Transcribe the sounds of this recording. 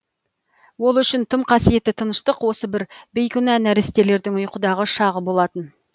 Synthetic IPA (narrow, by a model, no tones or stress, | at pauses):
wo̞lˠʏʃɪnt̪ʰəmqʰɑsije̞t̪ːɪt̪ʰənəʃt̪əqwo̞səbɪɾbejkʲʏnænæɾɪst̪e̞le̞ɾd̪ɪŋʊjqəd̪ɑʁəʃɑʁəbo̞lˠɑt̪ən